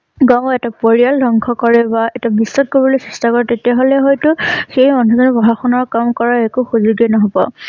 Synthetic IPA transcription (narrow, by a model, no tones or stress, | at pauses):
ɡaw̃ɛtapoɹijaldʱɔŋkʰɔkɔɹɛbaɛtabisːɔt̚kobɔlojsɹɛstakɔɹɛtetiaɦolɛɦɔjtʊxejɔnɔzɔnɔbɔɦaxɔnɔɹkamkɔɹaɛkuxuzuɡɛnɔɦɔbɔ̰